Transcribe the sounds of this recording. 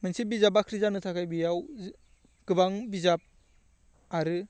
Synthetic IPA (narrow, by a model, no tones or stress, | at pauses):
mɯnsibizabakʰɾizanɯtʰakʰajbijaw | ɡ̥ɯbaŋbizap̚ | aɾɯ